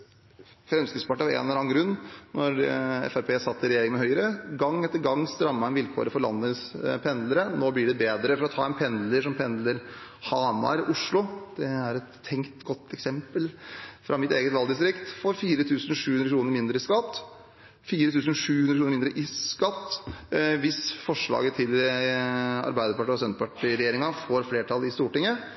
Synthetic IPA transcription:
fɾɛmskɪspʰɑʈːəɑḛːnɛlɾɑːnɡɾʉnːnɔɾɛ̰fæɾpʰeːsɑt̪ːɪɾɛjeːɾɪŋmɛhœʏəɾəɡɑŋːɛt̪ːəɾɡɑŋːst̪ɾɑmːɑɛnʋɪlkʰo̰ːɾəfɔɾɭɑ̰nːəspʰɛnd̪ləɾənoːblɪɖɛbeːd̪ɾəfɔɾɔt̪ʰɑ̰ːɛnpʰɛnd̪ləʂɔmpʰɛnd̪ləɾhɑːmɑ̰ɾʔʊʂlʊd̪̥ɛæɾɛt̪ʰːɛŋkt̪ɡɔt̪ːɛksɛmpəlfɾʔɑmɪt̪eːɡət̪ʋɑld̪ɪst̪ɾɪkt̪foːɾfiːɾət̪ʰʉːsən̩ʂʉːhʉnɾəkʰɾuːnəɾmɪnd̪ɾəɪskɑt̪ː | fiːɾət̪ʰʉːsənʂʉːhʉnɾəkɾuːɾmɪnd̪ɾəʔɪskɑt̪ː | ʋɪsfɔʂɭɑ̰ːɡət̪ʰɪl | ɑ̰ɾbæɪd̪əpɑʈːiːɔsœnt̪əpɑʈiɾɛjeːɾɪŋɑfoːɾfleːʈʰɑlɪst̪uːʈɪŋːə

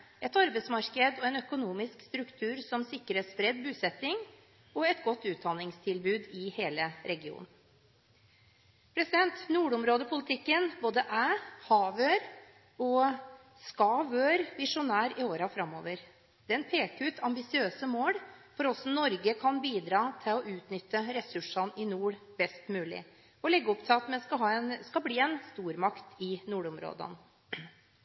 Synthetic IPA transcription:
ɛt̪ɑɾbɛɪsmɑɾkəd̪ɔɛnœkʊnuːmɪskst̪ɾʉkt̪ʰʉːɾsɔmsɪkːɾəspɾɛd̪bʉːsɛt̪ːɪŋ | ɔɛt̪ɡɔt̪ːʉːt̪̚d̪ɑnɪŋst̪ʰɪlbʉːd̪ɪheːləɾɛɡɪṵːn̩ | pʰɾɛsɪd̪ɛnt̪nuːɖʊmɾoːd̪əpʰʊlɪt̪ʰɪkːənboːd̪əʔæːhɑːʋøːɾ | ɔ | skɑʋøːɾʋɪʂʊnæːɾɪoːɾɑfɾɑmːo̰ːʋəɾ | d̪̥ɛɛnpʰeːkʉːt̪ʰɑmbɪsɪøːsəmoːlfɔɾɔsɔnɔɾɡəkʰɑnbiːd̪ɾɑːt̪ʰɪlɔʔʉːt̪nʏt̪ːəɾɛsʉʂɑnɪnuːɽbɛst̪mʉːlɪ̰ | ɔlɛɡːəɔpt̪ʰɪlɑt̪mɛnskɑɦɑːɛnskɑbliːɛnst̪uːɾmɑkt̪ʰɪnuːɽʊmɾo̰ːd̪ɑ̰n

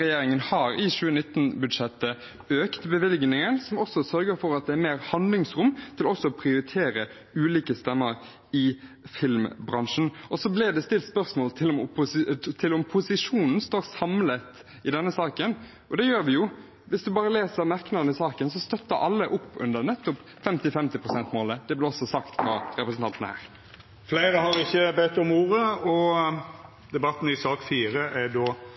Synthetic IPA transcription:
ɛjeːɾɪŋənhɑɾɪɕʉːənɪt̪ːnbʉd̪ʂɛt̪ːə | øːkt̪bəʋɪlɡnɪŋənsɔmɔsɔsœɾɡəɾfɔɾɑt̪̚d̪ɛæɾmeːɾhɑnd̪lɪŋsɾʊmt̪ʰɪlɔsːɔɔpʰɾɪʊɾɪt̪ʰeːɾə | ʉːliːkəst̪ɛmːəɾ | ɪ | fɪlmbɾɑnʂn̩ɔsɔblɪd̪ɛst̪ɪlt̪spœɾsmoːlt̪ʰɪlɔmʊpʊst̪ʰɪlɔmpʰʊsɪʂuːnn̩st̪oːɾsɑmlət̪ | ɪd̪ɛnːəsɑːkən | ʔɔd̪ɛjøːɾʋɪjʊ | ʋɪsd̪ʉbɑːɾəleːsəɾmæɾknɑnɪsɑːkənsɔst̪œt̪ːəɾʔɑlːəʔʊpːʉ̰nd̪əɾnɛt̪ːʊp | fɛmt̪ɪfɛmt̪ɪpɾʁʊsɛnt̪moːləd̪ɛblɪʁɔsːɔsɑkt̪fɾɑ̰ɾɛpɾəsənt̪ɑnt̪nəhæ̰ːɾ | flæɪɾəhɑɾɪçːəbɛt̪ːɔmuːɾəɔ | d̪ɛbɑt̪ːn̩ɪsɑːkfiːɾəʔæɖ̪oː

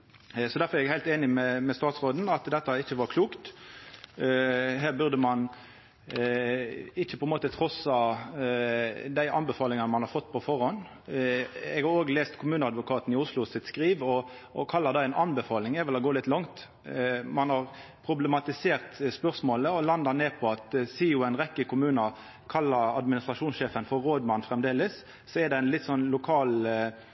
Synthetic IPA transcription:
sɔd̪æʁfɔɾɛɾɛɡhæɪlt̪eːnɪmɛmɛst̪ɑːt̪sʁoːd̪n̩ɑt̪d̪ɛt̪ːɑɪçːəʋɑɾkʰluːkt̪ | ɦæːʁbʉʁd̪əmɑn | ɪçːəpʰɔɛnmoːt̪ət̪ʰʁɔsɑ | d̪æɪʔɑnbɛfɑːlɪŋɑnəmɑnhɑɾfɔt̪ːpʰɔfɔʁhɔn | ɛɡhɑɾoːɡleːst̪kʰʊmʉːnəɑd̪ʋʊkʰɑːt̪nɪʊslʊsɪt̪skɾiːʋɔ | ʔɔ̰kʰɑlːɑd̪ɑæɪnʔɑnbɛfɑːlɪŋɛɾʋɛlɔɡoːlɪt̪lɑŋt̪ | mɑnhɑʁpʰɾʊblɛmɑt̪ɪseːʁt̪spœʁsmoːləɔlɑnd̪ɑneːpʰɔɑt̪siːʊæɪnɾɛkːəkʊmʉːnɑ | kʰɑlːɑɾɑ̰d̪mɪnɪst̪ɾʁɑʂuːnsʃeːfənfɔɾʁoːd̪mɑnːfʁɛmd̪eːlɪs | sɔɛd̪ɛæɪnlɪt̪ːsɔnlʊkʰɑːl

